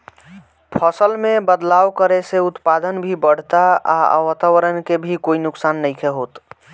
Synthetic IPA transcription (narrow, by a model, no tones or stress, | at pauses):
pʰəsəlmẽbəd̪lawkəɾeseʊt̪pad̪ənbʱibəɽ̤t̪aa̰ə̰wət̪awəɾənkebʱikoinʊksanːəjkʰɛɦoːt̪